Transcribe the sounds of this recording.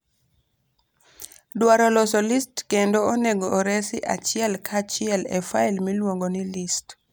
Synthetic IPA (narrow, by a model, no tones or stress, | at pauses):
dwaɾɔlɔsɔlistkendoːnɛɡoːɾɛsiʔa̰t͡ʃɪɛlkʰat͡ʃɪɛlɛ̰failmilwoŋɡonilist